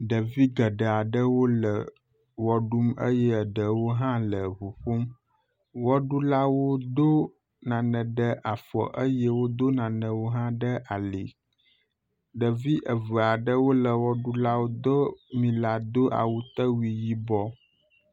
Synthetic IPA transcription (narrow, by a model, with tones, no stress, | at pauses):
ɖə˨vi˦ɡə˨ɖə˨a˨ɖə˦wo˦lə˨ | wɔ˦ɖu˦mə̰˦jɛ˦˨ɖə˨wo˦ɦã˦lə˨ɦu˨ɸu˦m | wɔ˦ɖu˦la˦wo˦d̪o˦ | nã˨nə̃˨ɖə˦ʔa˨fɔ̰˨ʔə˦jɛ˦wo˦d̪o˦nã˨nə̃˨wo˦ɦã˦ɖə˦ʔa˨lḭ˨ | ɖə˨vi˦ʔə˨və˨a˨ɖə˦wo˦lə˨wɔ˦ɖu˦la˦wo˦d̪o˦mĩ˨la˨d̪o˦ʔa̰˨wu˦t̪ə˦wi˨ji˦bɔ˦